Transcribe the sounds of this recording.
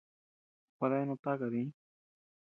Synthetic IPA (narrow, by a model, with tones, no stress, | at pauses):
kʷa˧ða˦e˦nõ˧t̪a˦ka˨ðĩ˧˦